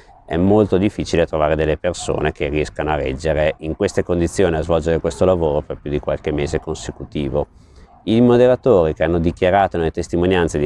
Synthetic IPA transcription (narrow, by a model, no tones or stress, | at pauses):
ɛmːolt̪od̪ifːit͡ʃilet̪ɾovaːɾed̪elːeperso̰ːnekeriɛskanoarɛ̰d͡ʒːeɾeiŋkwest̪ekond̪it̪sːjoːniazvɔld͡ʒeɾekwest̪olavoːɾoperpjud̪ikwalk̟emːeːzekonsekut̪iːvo | imod̪eɾat̪oːɾikeanːod̪ikjaɾaːt̪onelːet̪est̪imonjant̪sed̪